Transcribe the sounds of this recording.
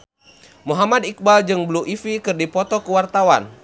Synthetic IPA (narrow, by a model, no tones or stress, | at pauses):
muɦamad̪ik̚bald͡ʒɨŋbluʔifikɨrdipɔt̪ɔkəwart̪awan